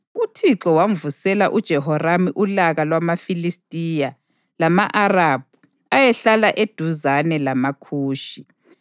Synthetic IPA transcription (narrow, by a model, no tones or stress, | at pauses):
utʰiǁɔwaɱvusɛla̰ʔud̥ʒ̥ʱɛhɔramiʔulaɣalwamafilistʼija | lamaʔarab̥̚ʱu | ajɛɬalaʔed̥ʱuzanɛlamakʰuːʃi